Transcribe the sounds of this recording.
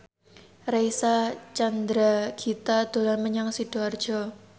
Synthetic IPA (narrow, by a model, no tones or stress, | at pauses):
reisat͡ʃand̪ɾaɡ̥it̪ad̪̥o̤lanməɲaŋsid̥o̤ard̥ʒ̥ɔ